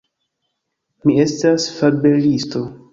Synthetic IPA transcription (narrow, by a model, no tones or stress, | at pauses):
mie̞stasfabelisto̞